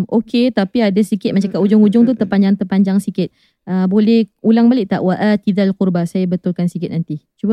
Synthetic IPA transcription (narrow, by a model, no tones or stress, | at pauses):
mokʰet̪apiadasikɪt̪̚mat͡ʃaŋkaʔud͡ʒʊŋud͡ʒʊŋt̪̬ut̪əpaɲd͡ʒaŋt̪ərpaɲd͡ʒaŋsikɪt̪̚ | əbolɛhulaŋbalɪʔ̚t̪aʔwaʔat̪idalkurbasajabət̪ʊlkansikɪt̪̚nant̪it͡ʃuba